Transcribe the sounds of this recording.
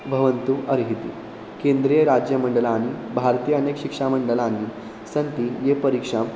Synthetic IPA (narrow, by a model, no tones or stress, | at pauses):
bʱəʋənt̪uʔəɾɦit̪ḭː | kend̪ɾijəɾad͡ʑjəməɳɖəlaːɽ̃ibʱaɾt̪ijəənekɕikʂaməɳɖəlaːni | sənt̪iːjepəɾikʂam